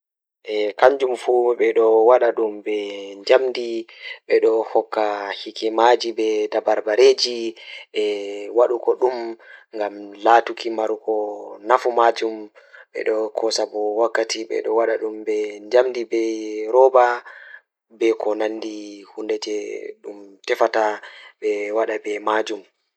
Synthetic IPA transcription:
ʔɛkaɲd͡ʒumfuɓɛɗɔwaɗaɗumbɛɲd͡ʒamdiɓɛɗɔhɔkːahikɛmad͡ʒibɛdabaɾbaɾed͡ʒiɛwaɗukɔɗumŋɡamlatukʰimaɾukɔnafumad͡ʒum | ɓɛ̰ɗɔkʰɔsabɔwakːatiɓɛ̰ɗɔwaɗaɗumbɛɲd͡ʒamdibɛɾɔba | bɛkɔnanːdihundɛd͡ʒɛɗumtɛfataɓɛwaɗabɛmad͡ʒum

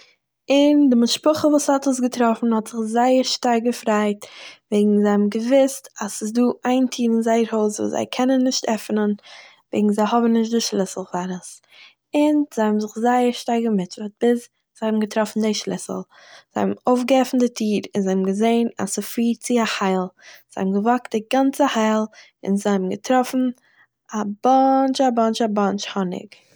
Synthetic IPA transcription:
ɪndɪmɪʃpʊχəvuːshɔtəsɡətɾɔfn̩hɔtz̥ɪχzaɪəɾʃtaɾɡəfɾaɪtveɪɡŋ̩zɛbmɡəvɪstasɪsduːʔaɪntʰiːɾɪnzaɪəɾhoʊsvṵːsza̰ɪkʰɛnənːɪʃtʰɛfnən | vḛɪɡŋ̩zaɪɦɔbn̩nɪʃ̬tdɪʃlˠɪsl̩ˠfaɾəs | ɪnzɪhɔbm̩zɪχzaɪəɾʃtaɪɡəmɪtət̚b̥ɪs | z̥ɪhɔbm̩ɡətɾɔfn̩dɪʃlˠɪ̰sl̩ˠ | z̥ɪhɔ̰bmoʊfɡəɛfn̩dɪtʰiːɾɪnzɪhɔbmɡəzeɪna̰sɪfiːɾt͡sɪahaɪlˠz̥ɪhɔ̰bm̩ɡəvɔkt̚dɪɡant͡səhaɪlˠ | ɪ̰nzɪhɔbm̩ɡətɾɔfn̩ | abɔnt͡ʃabɔnt͡ʃabɔnt͡ʃhɔnɪ̰k

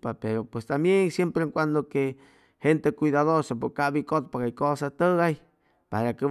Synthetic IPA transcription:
papeɾopwest̪ambjeŋsjempɾeŋkʷand̪oke | hent̪ekwiðaðoɾsapokabikot̪̚paɣajkosat̪əɣaj | paɾake

